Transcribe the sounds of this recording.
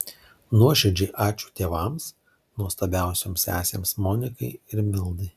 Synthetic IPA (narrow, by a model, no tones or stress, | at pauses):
nuɔʃʲɛd͡ʒʲeɪʔɑːt͡ʃʲuːt̪ʲeːʋɐˑms | nuɔst̪ɐbʲæˑʊsʲoːmsæ̰ːsʲḛːmsmoːnʲɪkɐɪɪɾmʲɪlˠd̪ɐ